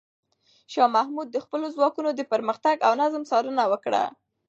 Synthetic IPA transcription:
ʃɑmahmud̪̚ːəxpəlozwɑkunod̪əpəɾməxt̪aɡawnazmsɑɾənawəkɽa̰

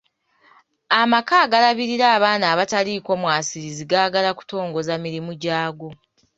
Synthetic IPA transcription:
amakaːɡalaβiɾiɾaːβaːnaːβataliko̞mwaːsiɾiziɡaːɡalaku̥to̞ːŋɡo̞zamiɾimuɟaːɡo̞

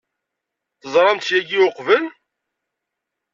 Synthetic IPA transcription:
θəzˤɾˤɑmt̪jæɡioqvəl

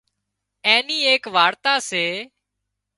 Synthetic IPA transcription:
ẽːniːeːkʋaːɽt̪aːseː

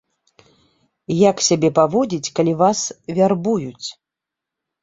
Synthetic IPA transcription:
jaksʲabʲɛpavɔd͡zʲit͡sʲkalʲivasvʲarbujut͡sʲ

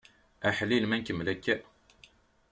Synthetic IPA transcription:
æħlːilmænkəmlækːæʔ

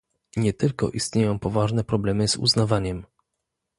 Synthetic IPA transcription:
ɲɛt̪ɘlkɔ̰ʔist̪ɲejɔ̃w̃pɔvaʐnɛpɾɔblɛmɘzṵznavaɲɛm

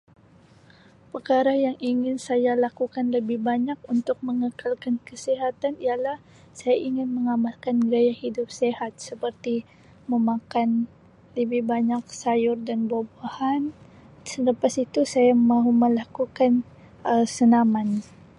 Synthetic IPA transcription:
pərkaɾajaŋʔiŋɪnsajalakukanləbɪhbaɲak̚unt̪ʊk̚məŋəkʰalkankəsiɦat̪anijalah | sajaʔiŋɪnməŋamalkanɡɾajahidʊp̚sehat̪̚səpərt̪i | məmakan | ləbɪhbaɲak̚sajʊrdanbabahan | sələpasit̪usajamaɦuməlakukan | əsənaman

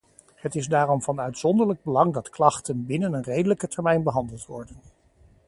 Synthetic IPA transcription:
hətɪzdaːrɔmvɑnœɥtsɔndəɹləɡ̚bəlɑŋdɑtklɑχtənbɪnənənrejdələkətɛɹmɛjnbəɦɑndəlˠtʋɔɹdən

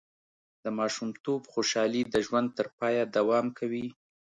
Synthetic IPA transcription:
d̪̥əmɑʃumt̪obxoʃɑlid̪əʒwand̪̚t̪əɾpɑjad̪awɑmkʰawi

